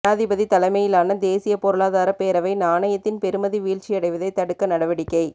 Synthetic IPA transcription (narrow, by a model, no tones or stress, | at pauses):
aːðɪbɐðit̪ɐlɐɪmɐjɪlaːnɐd̪eːsɪjɐpɔɾɯɭaːðaːɾɐpeːɾɐʋɐɪnaːɳɐjɐt̪ːɪnpɛɾɯmɐðiʋiːʈt͡ʃɪjɐɽɐɪʋɐðɐɪt̪ːɐɽɯkːɐnɐɽɐʋɐɽɪkːɐɪ